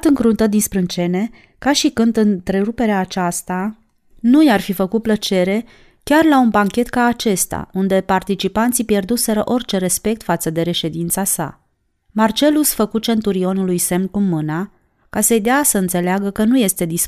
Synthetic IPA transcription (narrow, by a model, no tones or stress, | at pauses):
t̪ɨŋkɾunt̪əd̪inspɾɨnt͡ʃe̞ne̞ | kaʃikɨnd̪ɨnt̪ɾe̞ɾupe̞ɾeaːt͡ʃast̪a | nujarfifəkut̪̚plət͡ʃe̞ɾe̞ | kʲarlaunbaŋkʲe̞t̪kaːt͡ʃe̞st̪a̰und̪e̞part̪it͡ʃipant̪sipje̞rd̪use̞ɾəʔo̞rʲt͡ʃe̞ɾe̞spe̞k̚t̪fat̪səd̪e̞ɾe̞ʃe̞d̪int̪sasa̰ | mart͡ʃe̞lusfəkut͡ʃe̞nt̪uɾio̞nulujse̞mnkumːɨna | kasejd̪easəɨnt̪se̞leaɡəkənuje̞st̪e̞d̪is